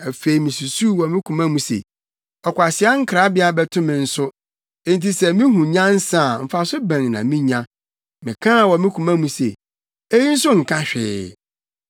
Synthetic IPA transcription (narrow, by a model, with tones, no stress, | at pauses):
æ˨fe˨i˨mĩ˨su˨su˦wɔ˨mɪ̃˦kʰũ˨mã˦mũ˦sḛ˨ | ɔ˨kʷa˨sɪ˦a˦ŋ̩˦kʰɾa˦bɪ˦a˨bɛ˦tʰʊ̃˦mɪ̃˨n̩˨sʊ˦ | ẽ˦n˨ti˨sɛ˨mĩ˦ɦũ˨ɲã˦n̩˦sã˦˨m̩˨fa˨sʊ˦bɛ̃˨ŋnã˨mĩ˦ɲã˦ | mɪ̃˨kʰã˦˨wɔ˨mɪ̃˦kʰũ˨mã˦mũ˦se˨ | e˦ji˦n̩˦sʊ˦ŋ̩˨kʰã˦ɕᶣɪ̰ː˦